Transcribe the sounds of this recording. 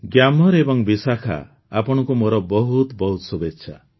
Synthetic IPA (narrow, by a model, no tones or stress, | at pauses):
ɡjamɔɾebɔŋbisakʰa̰ | apɔɽ̃ɔ̃kumoɾɔbɔɦut̪bɔɦut̪ɔsubetːʃʰa̰